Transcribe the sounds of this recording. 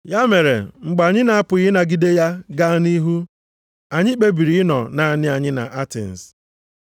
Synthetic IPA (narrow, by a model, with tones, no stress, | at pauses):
ja˦me˨ɾḛ˨ŋ͡m̩˨ɡ͡ba˨ɲɪ˦na˨a˦pʊ˨ɣɪ˦na˨ɡi˦de˦ja˦ɡa˦ni˦ɦu˦ | a˨ɲɪ˦k͡pe˦bi˨ɾi˨ɪ˦nɔ̰˨na˨nɪ˦a˨ɲɪ˦na̰˨ʔa˦tḛ˨n̩˨s